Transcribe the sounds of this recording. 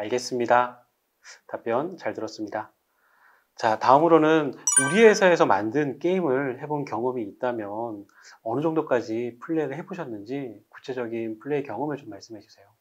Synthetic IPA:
aɭɡe̞s͈ɯmɲida | tap͈jʌnt͡ɕaɭtɯɾʌs͈ɯmɲida | t͡ɕataɯmɯɾonɯnuɾiɦe̞sʰae̞sʰʌmandɯnk͈e̞imɯɭhe̞bonkjʌŋɯmiːt̚t͈amjʌn | ʌnɯd͡ʑʌŋdok͈ad͡ʑipʰuɭːe̞ɡɯɭɦe̞boɕʰʌnːɯnd͡ʑiku̥t͡ɕʰe̞d͡ʑʌɡinpʰuɭːe̞ikjʌŋɯmɯɭt͡ɕomːaɭs͈ɯmɦaɕʰi̥sʰe̞jo

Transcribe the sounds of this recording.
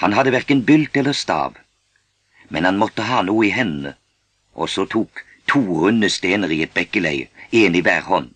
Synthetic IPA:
hɑnɦɑd̪ːəʋæʁkənbʏlt̪ɛlːəɾst̪ɑ̰ːʋ | mɛnhɑnmɔt̪ːəɦɑːnuːɪɦɛnnə̰ | ʔɔ̰sɔt̪ʰuːk | t̪ʰuːɾʉnːəst̪eːnəɾiːɛt̪̚bɛkːəlæɪeːniʋæːɾhɔnː

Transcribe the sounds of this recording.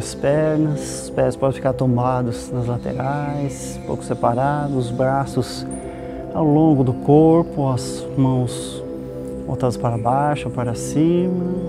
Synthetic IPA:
ɐspɛɾnɐs | spɛspɔd̪ẽfikaɾt̪õmbad̪ʊznɐzlat̪ḛɾajs | po̰wkʊ̥sepaɾad̪ʊzbɾasʊs | awlõɡʊd̪ʊkoɾpʊɐz | mɐ̃w̃s | bo̰wt̪ad̪ɐspaɾɐbajʃʊopaɾɐsĩmɐ

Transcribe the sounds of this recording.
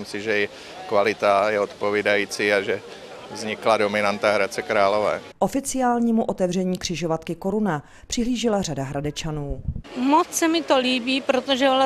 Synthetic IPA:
msɪʒɛjɛ | kvalɪt̪ajɛot̪povidajiːt͡siːaʒɛ | vzɲɪkladomɪnant̪aɦɾat͡sɛkɾaːlovɛ̰ːʔo̞fɪt͡sɪaːlɲiːmuʔo̞t̪ɛvrɛɲiːkr̝̥ɪʒovat̪kɪko̞ɾuna | pr̥ɪɦliːʒɪlar̝adaɦɾadɛt͡ʃanuːmot͡ssɛmɪt̪oliːbiːpɾot̪oʒɛ

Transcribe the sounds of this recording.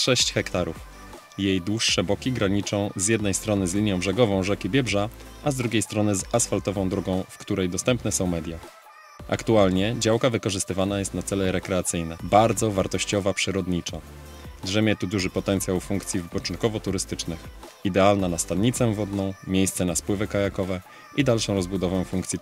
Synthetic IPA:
ʂɛɕt͡ɕxɛkt̪aɾuf | jejd̪wuʂːɛbɔkʲiɡɾaɲit͡ʂɔ̃w̃zʲjɛd̪nɛjst̪ɾɔnɘzlʲiɲjɔ̃w̃bʐɛɡɔvɔ̃w̃ʐɛkʲibʲjɛbʐaʔazd̪ɾuɡʲejst̪ɾɔnɘzasfalt̪ɔvɔ̃w̃d̪ɾɔɡɔ̃w̃fkt̪uɾɛjd̪ɔst̪ɛmpnɛsɔ̃w̃mɛd̪ʲja | ʔa̰kt̪ualɲɛd͡ʑawkavɘkɔʐɘst̪ɘvanajɛst̪nat̪sɛlɛɾɛkɾɛat̪sɘjnɛbaɾd̪zɔvaɾt̪ɔɕt͡ɕɔvapʂɘɾɔd̪ɲit͡ʂa | dʐɛmʲjɛt̪ud̪uʐɘpɔt̪ɛnt̪sʲjawfuŋkt̪sʲjivɘpɔt͡ʂnt̪̚kɔvɔt̪uɾɘst̪ɘt͡ʂnɘxid̪ɛalnanast̪ad̪ɲit̪sɛvɔd̪nɔ̃w̃mʲjejst̪sɛnaspwɘvɘkajakɔvɛ | ʔid̪alʂɔ̃w̃ɾɔzbud̪ɔvɛ̃w̃fuŋkt̪sʲi

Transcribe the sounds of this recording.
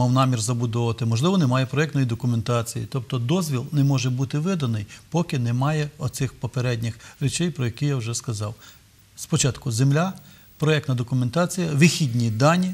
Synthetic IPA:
mɑwnɑmʲirzɐbʊd̪ɔʋɐt̪ɪmɔʒlˠɪʋɔnɛmɑjɛpɾɔjɛkt̪nɔjid̪ɔkʊment̪ɑt͡sʲijḭt̪ɔp̚t̪ɔd̪ɔzʲʋʲilˠnɛmɔʒɛbut̪ɪʋɪd̪ɐnɪjpɔkɪnɛmɑjɛɔt̪sɪxpɔpeɾɛdʲnʲɪxɾʲɪt͡ʃɛjpɾɔjɐkijawʒɛskɐzɑw | spɔt͡ʃɑt̪kʊzemlʲa | pɾɔɛk̚t̪nɐd̪ɔkʊment̪ɑt͡sʲijɐʋɪxʲidʲnʲid̪ɑnʲi

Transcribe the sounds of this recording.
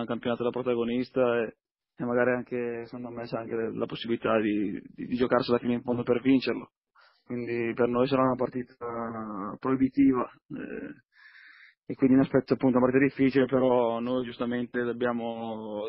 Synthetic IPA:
ŋkampjonaːt̪ad̪elapɾot̪aɡonist̪ae | emːaɡaːɾiaŋk̟esand̪oamːɛt͡ʃaaŋk̟ela̰posːibilit̪ad̪id̪id̪id͡ʒokarsialafiːneiɱfond̪opervint͡ʃerlo | kwind̪ipernojsaɾaunapart̪iːt̪apɾoibit̪iːva | ɛ̰ | ekːwind̪inaspɛt̪ːoapːunt̪ounapaɾt̪it̪ad̪ifːiːt͡ʃilepeɾɔnojd͡ʒust̪ament̪ed̪obːjaːmo

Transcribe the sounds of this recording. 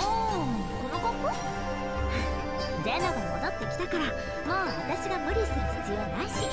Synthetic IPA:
ɯ̃ː | ko̞noɡokːo | d̪enːaɡonomod̪ot̪ːe̞kʲi̥t̪akaɾa | moːβat̪aɕiɡamɯ̟ɾʲiɕtaɾɯsɨzijonaiɕi

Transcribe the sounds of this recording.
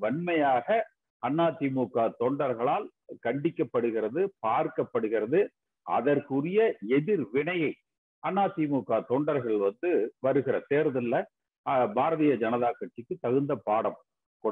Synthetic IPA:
ʋɐɳmɐjaːɣɐ | ɐnːaːt̪ːimuːkaːt̪oːɳɖɐɾɣɐɭaːl | kɐɳɖɪkːɐpːɐɽɯɣɪɾɐðɯpaːɾkɐpːɐɽɯɣɪrɐðɯ | ʔɐ̰ðɐɾkɯrɪjɐɛðɪɾʋɪɳɐjɐɪ | ɐnːaːt̪ːimuːkːaːt̪oːɳɖɐɾɣɐɭʋɐnd̪ɯʋɐɾɯɣɪrɐseːɾɐðɐlːɐ | baːɾɐðɪjɐd͡ʒɐnɐðaːkɐʈt͡ʃɪkːɯt̪ːɐɣɯnd̪ɐpaːɽɐm | kɔ

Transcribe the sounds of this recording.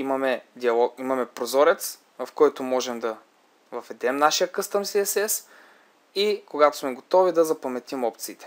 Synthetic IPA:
imɐmɛd̪iɐlˠɔkimɐmɛpɾozɔɾɛt̪s | vɐfkɔjt̪omɔʒɛmd̪ɐ | vɐvɛd̪ɛmnaʃijəkɤst̪əmsiɛsɛs | ikoɡat̪ʊ̥smɛɡot̪ɔvid̪ɐzɐpɐmɛt̪imɔp̚t̪siːt̪ɛ̥

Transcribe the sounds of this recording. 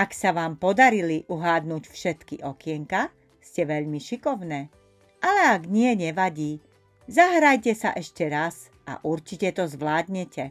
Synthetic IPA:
aksaʋaːmpɔd̪aɾiliʔuɦaːd̪nucfʃɛt̪kiʔɔkɪɛŋka | scɛʋɛʎmiʃikɔʊnɛː | ʔalɛaɡɲɪɛɲɛʋaɟiː | zaɦɾajcɛsa̰ʔɛʃcɛɾas | ʔa̰ʔuɾt͡ʃicɛt̪ɔzʋlaːd̪ɲɛcɛ

